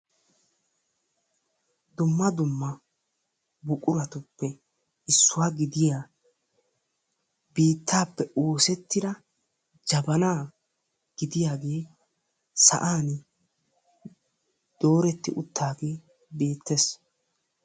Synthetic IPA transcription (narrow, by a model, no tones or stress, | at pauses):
d̪ʊmːɐd̪ʊmːɐ | bʊkʼʊɾɐt̪ʊpːɛ | ɪsːʊwaːɡɪd̪ɪjaː | biːt̪ːaːpːɛʔoːsɛt̪ːɪd̪ɐ | d͡ʒɐbɐnaː | ɡ̥ɪd̪ɪjaːɡe̞ː | sɐ̰ʔaːn | d̪̥o̞ːɾɛt̪ːɪʔʊt̪ːaːɡe̞ː | be̞ːt̪ːes